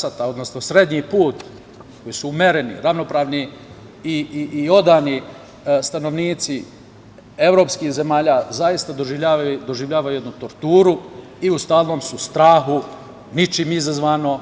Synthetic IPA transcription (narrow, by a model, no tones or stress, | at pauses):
at̪ao̞d̪no̞sno̞sɾe̞d̪ɲipuːt̪ | ko̞jisuumeɾenḭɾaʋno̞pɾaːʋni | iio̞d̪aːni | st̪ano̞ʋniːt̪si | e̞ʋɾo̞ːpskiːhze̞maːʎazajist̪ad̪oʒiʎaːd̪o̞ʒiʋʎʲaːʋajuje̞d̪nut̪o̞ɾt̪uːɾu | iust̪aːlˠno̞ːmsust̪ɾaːxu | nit͡ʃiːmizazʋaːno̞